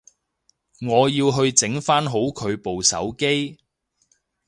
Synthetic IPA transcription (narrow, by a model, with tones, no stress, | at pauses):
ŋɔː˨˧jiː˧wɦɵ˧ɥt͡sɪ˨˥ŋfaː˥nɦo˨˥wkʰɵ˨˧ɥpo˨wsɐ̰˨˥wke˥j